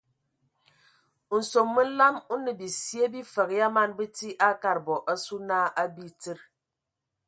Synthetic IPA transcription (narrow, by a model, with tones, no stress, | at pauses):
n̩˨so˨mːɨ˦n̩˦la˦mu˦nɨ˨bi˨si˦e˦bi˦fə˨ɣja˦ma˦nbɨ˦ti˦ʔa˦ka˦˨ɾbɔ˨ʔa˦su˦naː˦ʔa˦bi˦tɨ˦ɾ